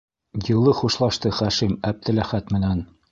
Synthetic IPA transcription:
jɤ̆lˠɤχuʃlˠɑʃt̪ɤχæʃimæb̚d̪ɘ̆læχæt̪mɘ̆næn

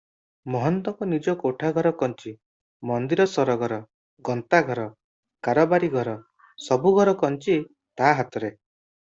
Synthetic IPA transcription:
mɔɦɔnt̪ɔŋkɔnid͡ʒɔkoʈʰaɡʱɔɾɔkɔnt͡ʃi | mɔnd̪iɾɔsɔɾɔɡʱɔɾɔ | ɡɔnt̪aɡʱɔɾɔ | kaɾɔbaɾiɡʱɔɾɔ | sɔbuɡʱɔɾɔkɔnt͡ʃi | t̪aɦat̪ɔɾe

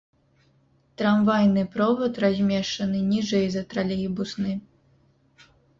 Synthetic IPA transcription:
t̪ɾamvajnɨpɾɔvɐt̪razʲmʲɛʂt͡ʂɐnɨnʲiʐɛjzɐt̪ɾalʲɛjbusnɨ

